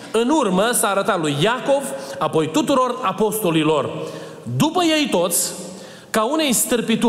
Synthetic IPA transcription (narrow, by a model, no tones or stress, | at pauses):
ɨnurməsaːɾət̪at̪lujːako̞vapo̞jt̪ut̪uɾo̞rapo̞st̪o̞lilo̞r | d̪upəje̞jt̪o̞t̪sʲ | kaune̞jst̪ɨrpit̪u